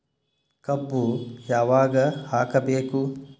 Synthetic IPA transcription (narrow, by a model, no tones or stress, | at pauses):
kɐbːujaːʋaːɡɐhaːkɐbeːku